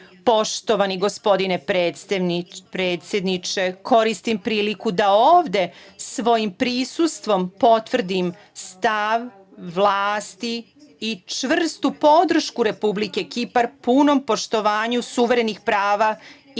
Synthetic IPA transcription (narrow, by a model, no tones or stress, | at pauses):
po̞ʃt̪o̞ʋaniɡo̞spo̞d̪inepɾe | pɾeːt̪sʲje̞d̪nit͡ʃeko̞ɾist̪impɾiːlikud̪aoːʋd̪e̞sʋo̞jimpɾisust̪ʋo̞mpo̞t̪ʋr̩d̪im | st̪aʋː | lˠaːst̪iː | t͡ʃʋr̩st̪upo̞d̪r̩ʃkuɾe̞publike̞kipaɾpuːno̞mpo̞ʃt̪o̞ʋaːɲusuʋeɾenixpɾaːʋa